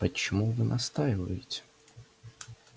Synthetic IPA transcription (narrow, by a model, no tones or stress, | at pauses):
ɐt͡ʃɔmuʋɪnʔɐst̪ɑjʋɐjʊt͡sʲ